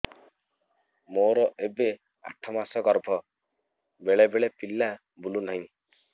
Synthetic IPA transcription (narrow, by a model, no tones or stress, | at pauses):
moɾɔʔebe | a̰ʈʰːɔmasɔɡɔɾbʱɔ | beɭebeɭepilːa | bulunɔɦĩ